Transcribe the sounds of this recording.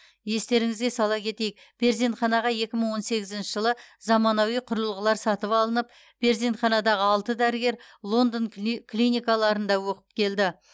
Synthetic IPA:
je̞st̪e̞ɾɪŋɪzɡʲe̞sɑlˠɑkʲʰe̞t̪e̞jɪk̚ | b̥e̞ɾzint̪χɑnɑʁɑje̞kʲɪməɴwo̞nse̞ɡʲɪzɪnʃɪʒəlˠəzɑmɑnɑwijqʰʊɾəlˠʁəlˠɑɾsɑt̪əpɑlˠənəp̚ | b̥e̞ɾzint̪χɑnɑd̪ɑʁəɑlˠt̪əd̪æɾɪɡʲe̞ɾ | lˠo̞nd̪əŋkʲʰlʲijnʲijkɑlˠɑɾənd̪ɑwoqə̥p̚kʲʰe̞ld̪ɪ

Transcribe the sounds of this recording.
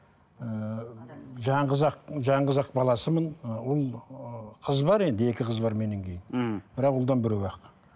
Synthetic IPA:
ə | ʒɑɴəzɑqʒɑɴʁəzɑq̚bɑlˠɑsəmənwolˠqʰəzbɑɾe̞nd̪e̞kʲɪqʰəzbɑɾme̞ne̞ŋkʲʰe̞jɪnbɪɾɑqwolˠd̪ɑnbɪɾewɑq

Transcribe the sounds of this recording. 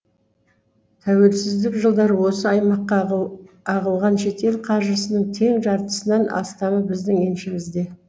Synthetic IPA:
t̪ʰæwe̞lsɪzd̪ɪkʒəlˠd̪ɑɾwo̞səɑjmɑqːɑ | ɑʁəlˠʁɑnʃe̞t̪e̞lqʰɑɾʒəsənəɴt̪ʰe̞ŋʒɑɾt̪ə̥sənɑnʔɑ̰st̪ɑməbɪzd̪ɪŋenʃɪmɪzd̪e̞

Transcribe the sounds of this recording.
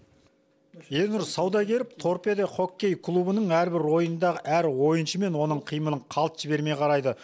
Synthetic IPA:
e̞nʊɾsɑwd̪ɑkʲʰe̞ɾɪp̚t̪ʰo̞ɾped̪eχo̞kʲːe̞jkʰlˠubənəɴæɾbɪɾwo̞jənd̪ɑʁəʔæɾwo̞jənʃəme̞nwo̞nəɴqʰijmənˠəɴqʰɑlˠt̪ʒ̥ɪbe̞ɾme̞qʰɑɾɑjd̪ə

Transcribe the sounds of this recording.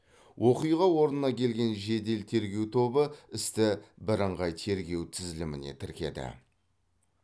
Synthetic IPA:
wʔo̞qujʁɑwo̞ɾnənɑkʲʰe̞lɡʲe̞nʒe̞d̪e̞lt̪ʰe̞ɾɡʲe̞wt̪ʰo̞bəɪst̪ɪbɪɾəɴʁɑjt̪ʰe̞ɾɡʲe̞wt̪ʰɪzɪlɪmɪne̞̰t̪ʰɪɾkʲe̞̰d̪ɪ̰

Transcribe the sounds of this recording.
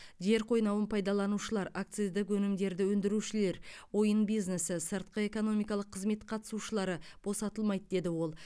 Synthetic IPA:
ʒe̞ɾqʰo̞jnɑwənpʰɑjd̪ɑlˠɑnuʃəlˠɑɾak̚t̪sɨzd̪ɪkwɵnɪmd̪e̞ɾd̪ɪwɵnd̪ɪɾuʃɪle̞ɾwo̞jənbijznesɪsəɾt̪̚qəe̞ko̞no̞mijkɑlˠəqʰːəzme̞t̪qʰɑt̪ə̥suʃəlˠɑɾəb̥o̞sɑt̪əlˠmɑjd̪d̪e̞d̪ɪwo̞lˠ

